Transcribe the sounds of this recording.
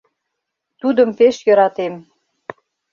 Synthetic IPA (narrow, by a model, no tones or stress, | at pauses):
t̪ud̪ə̆mpeʃjɤ̆ɾɑt̪em